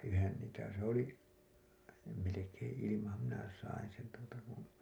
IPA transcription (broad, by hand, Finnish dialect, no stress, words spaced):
ʔyhen niːtæ se oli jɑ melekẽː ilimɑhɑm minæ sɑin̞ sen tuotɑ kun̞